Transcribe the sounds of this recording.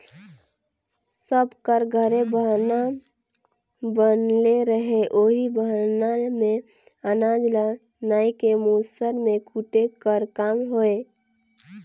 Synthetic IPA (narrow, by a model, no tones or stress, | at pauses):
səbkəɾɡʱəɾebəna | bənleɾəɦeʔoːɦibəɦnamẽ | ənaːd͡ʒla | naːikemusəɾmẽkʰuʈekəɾkaːmɦoe